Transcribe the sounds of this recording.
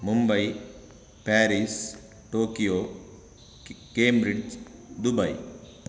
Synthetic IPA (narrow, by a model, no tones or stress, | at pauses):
mʊmbɐi | pɛːɾis | ʈoːkijoː | keːmbɾid͡ʒd̪ʊbɐḭ